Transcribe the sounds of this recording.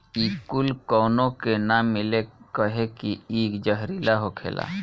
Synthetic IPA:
iːkʊlkɔːnõkenamːɪlekəɦekiiːkd͡ʒəɦɾilaɦokʰḛːlʔa̰ː

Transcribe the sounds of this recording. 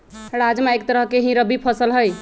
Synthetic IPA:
ɾad͡ʒmeek̚t̪əɾəɦkeɦĩɾəbipʰəsəlɦəj

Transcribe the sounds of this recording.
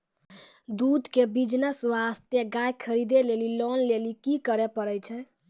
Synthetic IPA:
d̪ud̪ʱkebid͡ʒnəswast̪jeɡajkʰəɾid̪elelilɔnlelikikəɾɛpəɾət͡ʃʰɛ

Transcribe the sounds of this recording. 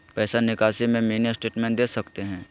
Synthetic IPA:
pɛːsanɪkaːsimẽmeːnesʈeːʈmɛ̃ːɳʈ̚d̪eːsɐkt̪eɦɛ̃ː

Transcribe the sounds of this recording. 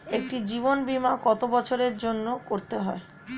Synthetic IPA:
ek̚ʈid͡ʑibonbimakɔt̪obɔt͡ɕʰoɾeɾd͡ʑonːokoɾt̪eɦɔe

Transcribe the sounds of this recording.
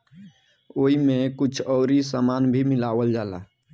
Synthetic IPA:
oːɦimẽkʊt͡ʃʰɔɾisamaːnbʱimɪlaːwəld͡ʒaːla̰

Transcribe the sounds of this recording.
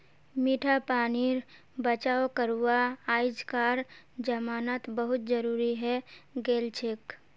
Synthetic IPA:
miʈʰapaːniɾ | bət͡ʃaːokəɾuwaaːɪd͡ʒkaːɾ | d͡ʒəmaːnaːt̪bəɦʊt̪d͡ʒəɾuːɾiɦɛɡeːlt͡ʃʰek

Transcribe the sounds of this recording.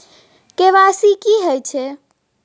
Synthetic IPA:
keʋasikiɦəjt͡ʃʰe

